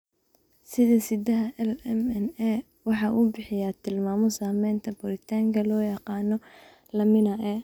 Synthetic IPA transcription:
sɪðɐsɪd̪ɐɦɐʔɛlɛmɛnɛ | wɑħɑʔuːbɪħɪjaːt̪ʰɪlmaːmɔsaːmɛːnt̪ʰɐbʊɾɪt̪ʰaːŋkʰɐlɔːjɑqɑːnɔ | lɐmɪnɐʔɛ

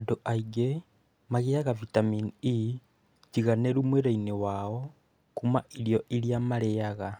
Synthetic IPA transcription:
doʔaiɡe | maɣejaɣavitamini | ciɣaneɾumweɾainewao | kumaʔiɾjoʔiljamaɾejaɣa

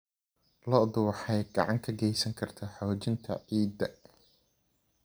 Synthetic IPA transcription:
lɔʔd̪ʊwɑħɑjɡɑ̰ʕɑŋkʰɐɡɛjsɐŋkʰɐrt̪ʰɐħɔːt͡ʃɪnt̪ʰɐ̰ʕiːd̪ɐ

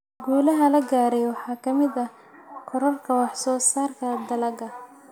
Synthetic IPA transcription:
ɡuːlɐɦɐlɐɡaːɾɛjwɑħɑːkʰɐmɪðɐ | qʰɔɾɐrkʰɐwɑħsɔːsaːrkʰɐd̪ɐlɐɡɐ

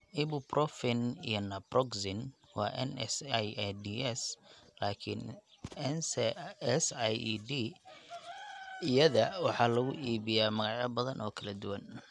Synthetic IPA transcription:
ʔɪbʊbrɔfɪnijɔnɐbrɔɡsɪn | wɑːʔɛ̰nɛsjd̪iʔɛslaːkʰɪn | ɛnsɛsjdi | ijɐðɐwɑħɑːlɐɣʊ̰ʔiːβɪjaːmɐɣɑʕjɐbɐðɐnʔɔːkʰɐlɐd̪ʊwɐn

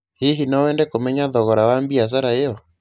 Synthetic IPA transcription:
heɦinɔwɛːndɛkomɛɲaðɔɣɔɾawambias̬aɾaeɔ

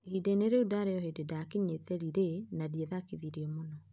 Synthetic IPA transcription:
hideneɾeudaɾeɔɦededakeɲetɛɾiɾenadieðakiðiɾiɔmonɔ

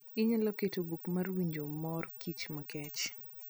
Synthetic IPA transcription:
ɪɲalɔketobukmarwiɲd͡ʒomɔrkit͡ʃmakɛt͡ʃ

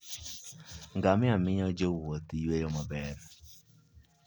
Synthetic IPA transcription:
ŋɡamɪamɪɲɔd͡ʒowot̪ijwejomabɛr

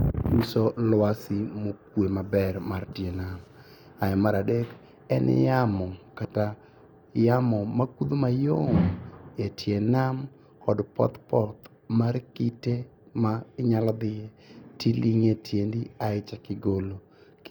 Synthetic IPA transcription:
isɔlwasɪmokwemabɛrmartjenam | ajɛmaɾadeɡ | ɛnʔɪ̰jamɔkata | jamɔmakud̪omajomjetʰjenam | kɔdpɔ̰t̪pɔt̪ | markite | maɪɲalɔd̪ɪe | tiliŋetjendiaɪt͡ʃakɪɡolo

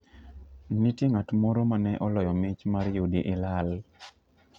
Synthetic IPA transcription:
nitjeŋatmoɾomanɛʔɔlɔjɔmɪt͡ʃmaɾjudiʔɪlal

